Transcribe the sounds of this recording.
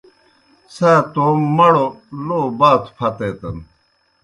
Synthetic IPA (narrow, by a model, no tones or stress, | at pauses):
saːt̪oːmmɐɽoloːbaːt̪ʰpʰɐt̪eːt̪ɐn